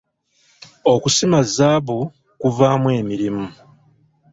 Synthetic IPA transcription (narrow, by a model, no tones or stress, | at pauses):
o̞kusimazaːβu | kuvaːmwe̞ːmiɾimu